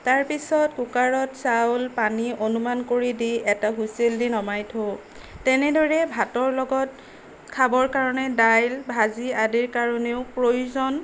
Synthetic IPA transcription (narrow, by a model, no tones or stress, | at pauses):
taɹpisɔtkukaɹɔtsawlpaniʔonumankoɹidiɛtaɦuseldinɔmajtʰo | tɛnɛdɔɹɛbʱatɔɹlɔɡɔt̚ | kʰabɔɹkaɹɔnɛdajlbʱaziadiɹkaɹɔneʊpɹojuzɔn